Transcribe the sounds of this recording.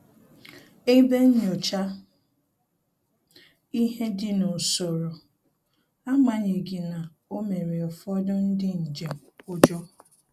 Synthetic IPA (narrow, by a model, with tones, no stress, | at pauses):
e˦be˦ɲ̩˦ɲo˨t͡ʃa˦ | i˦ɦe˦dɪ˦nʊ˨so˨ɾo˨ | a˦ma˨ɲe˨ɡi˨na˨ | o˦me˨ɾe˨ɔ˨fɔ˦dʊ˦n̩˦dɪ˦n̩˨d͡ʒe˨ʊ˦d͡ʒɔ˦